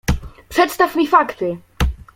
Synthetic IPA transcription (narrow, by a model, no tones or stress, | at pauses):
pʂɛt̪st̪afmʲifakt̪ɘ